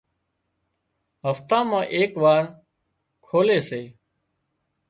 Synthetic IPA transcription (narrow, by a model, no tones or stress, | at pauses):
ɦəft̪ãːmãːʔeːkʋaːɾ | kʰoːleːseː